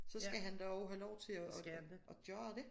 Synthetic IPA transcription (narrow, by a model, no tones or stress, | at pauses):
sɒ̽sɡ̥æɦænd̥ɑɒʊɦælɒʊt͡sʰe̝ɒːʔɒ̽d̥jɒɐd̥e̝